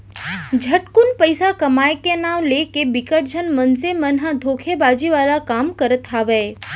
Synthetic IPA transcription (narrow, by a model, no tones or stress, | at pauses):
d͡ʒʱəʈkunpəjsakəmaːjkenaːʋlekebɪkəʈd͡ʒʱənmənsemənɦãd̪ʱoːkʰebaːd͡ʒiʋaːlakaːmkəɾət̪aʋəe